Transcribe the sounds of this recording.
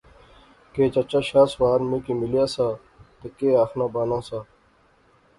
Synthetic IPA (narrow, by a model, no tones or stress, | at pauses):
keːt͡ɕɐt͡ɕaːɕaːswaːɾmĩːkimilijaːsaː | t̪ekeːaːxnaːbaːnãːsaː